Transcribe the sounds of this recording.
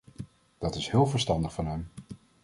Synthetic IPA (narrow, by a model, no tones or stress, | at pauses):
d̥ɑtɪsɦɪːlˠvəɹstɑndəχfʊnɦɛm